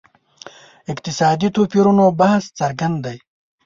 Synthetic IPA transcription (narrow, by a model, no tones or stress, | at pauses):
ɪkt̪ɪsɑːd̪it̪opiɾunobaɦst͡sɐɾɡɐnd̪d̪aj